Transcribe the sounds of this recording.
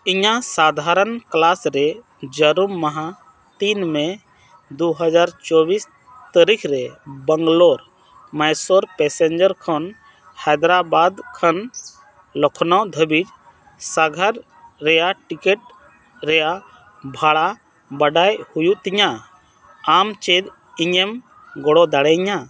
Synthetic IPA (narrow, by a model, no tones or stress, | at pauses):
iɲasad̪ʱaɾənklasɾɛ | d͡ʒəɾumːaɦa | t̪inmɛ̃ | d̪uɦəd͡ʒaɾt͡ʃɔbis | t̪əɾikʰɾɛbəŋɡloɾ | majsoɾpɛsend͡ʒəɾkʰɔn | hɛd̪ɾabad̪kʰən | lɔkʰnɔwd̪ʱəbid͡ʒ | saɡʱaɾː | ɛjaʈikeʈ̚ | ɾɛja | bʱaɽa | bəɖajhujuʔt̪iɲa | amt͡ʃed̪ | iɲem | ɡɔɽɔd̪aɽɛɲa